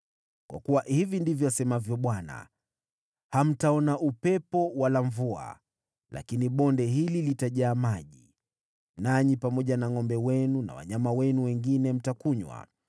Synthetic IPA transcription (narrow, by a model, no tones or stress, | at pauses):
kwa̰kuwahivindivjɔasɛmavjɔɓwana̰ | ham̩taɔnaʔupɛpɔwalaɱvua̰ | la̰kiniɓɔndɛɦililitaʄaːmaʄi | naɲipamɔʄanaŋɔmbɛwɛnuna̰wa̰ɲamawɛnuwɛŋɡinɛm̩takuɲwa̰